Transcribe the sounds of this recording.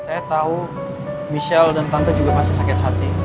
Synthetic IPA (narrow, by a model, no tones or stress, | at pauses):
sajat̪au | miʃɛldant̪andad͡ʒuɡamasasakɪt̪̚ɦat̪i